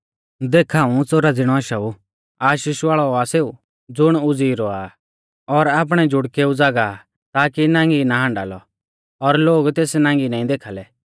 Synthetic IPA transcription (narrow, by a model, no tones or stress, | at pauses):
d̪eːkʰaːũt͡soɾad͡zɪɽ̃ɔaːʃau | aːʃiːʃaːɭɔaseːu | d͡zʊɽ̃ʊd͡ziːɾɔaː | ɔɾaːp̬ɽ̃ɛd͡ʒʱʊɽkeud͡zaːɡa | t̪aːkinãːŋɡinaɦãːɳɖa̰ːlɔ | ɔɾloːɡt̪eːsnãːŋɡinaːĩd̪eːkʰaːlɛ